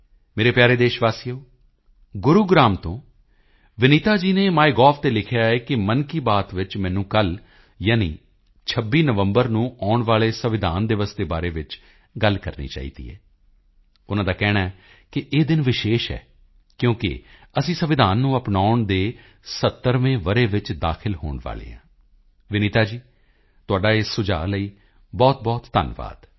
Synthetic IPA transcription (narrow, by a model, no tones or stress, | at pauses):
meːɾeːpjaːɾeːd̪eːʃʋaːsijoː | ɡʊɾuːɡɾaːmt̪õː | ʋɪniːt̪aːd͡ʒiːneːmaːiɡɔːfʰt̪eːlɪkʰjaːɛːkɪmənkiːbaːt̪ʋɪt͡ʃmɛ̃ːnũːkəl | jaːnḭː | t͡ʃʰəbːiːnəʋəmbəɾnũːaːʊɳʋaːɭeːsəʋɪd̪ʱa̰ːnd̪ɪʋəsd̪eːbaːɾeːʋɪt͡ʃ | ɡəlkəɾnḭːt͡ʃa̰ːiːd̪ḭːɛ̰ː | ʊnãːd̪aːkɛːɽaːɛ | kɪʔeːd̪ɪnʋɪʃeːʃɛ̰ː | kjõːkɪ̰əsĩːsəʋɪd̪ʱaːnːũːəpnaːʊɳd̪eː | sət̪ːəɾʋẽːʋəɾeːʋɪt͡ʃd̪aːkʰɪlɦoːɳʋa̰ːlḛːãː | ʋɪniːt̪aːd͡ʒiː | t̪ʊaːɖaːesːʊd͡ʒa̰ːləiː | bɔːt̪̚bɔːt̪ːə̰nʋa̰ːd̪̥